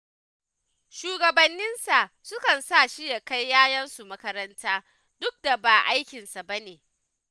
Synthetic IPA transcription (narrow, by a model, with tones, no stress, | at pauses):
ʃuː˨ɡɐ˨bɐ˨nːɪ˦nsa˨ʔ | sʊ˦kɐ˨nsa˦˨ʃɪ˦ja˨ka˦jːaː˦jɐ˦nsu˨mɐ˦kɐ˦ɾɐ˦ntʰaː˦ | dʊ˦k̚da˨ba˨ʔa˦jkʲɪ˨nsa˨ba˦neː˨